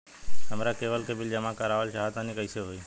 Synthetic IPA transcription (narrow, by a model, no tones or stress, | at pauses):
t̪əmɾaːkeːʋəlkeːbɪld͡ʒəmãkaːɾaːʋəlʃaːɦət̪ãːniːkəiseɦoːiː